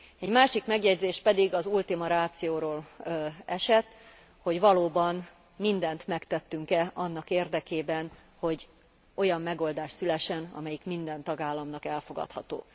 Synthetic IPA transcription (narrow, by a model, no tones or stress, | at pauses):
ɛɟmaːʃikmɛɡjɛɟzeːʃpɛd̪iɡɒzult̪imɒɾaːt̪sijoːɾoːlɛʃɛt̪ː | ho̞ɟʋɒloːbɒn | mind̪ɛnt̪mɛkt̪ɛt̪ːyŋkɛʔɒnːɒkeːrd̪ɛkeːbɛn | ho̞ɟ | o̞jɒmːɛɡo̞ld̪aːʃsylɛʃːɛnɒ̰mɛjikmind̪ɛnt̪ɒɡaːlːɒmnɒkɛlfo̞ɡɒ̰t̪hɒ̰t̪o̰ː